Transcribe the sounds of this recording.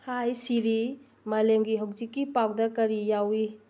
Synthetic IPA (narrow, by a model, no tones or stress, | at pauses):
hajsiɾi | mɐlemɡiɦawzikːipawdɐkɐɾijawi